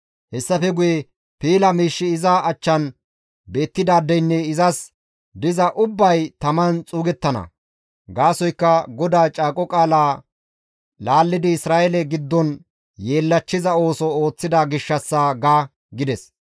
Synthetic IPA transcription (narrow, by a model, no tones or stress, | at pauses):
hɛsːɐfɛɡʊjɛ | piːlɐmiːʃːɪɪzaʔɐt͡ʃːɐn | be̞ːt̪ːɪd̪aːd̪ːɛjnːɛɪzɐs | d̪ɪzɐʔʊbːɐjt̪ɐmɐnt͡sʼuːɡɛt̪ːɐnɐ̰ | ɡaːsɔjkːɐɡɔd̪aːt͡ʃʼaːkʼɔkʼaːlaː | laːlːɪd̪ɪɪsɾaːjɛlɛɡɪd̪ːɔn | je̞ːlːɐt͡ʃːɪzɐo̞ːsɔo̞ːt͡sːɪd̪ɐɡɪʃːɐsːaɡaː | ɡɪd̪ɛs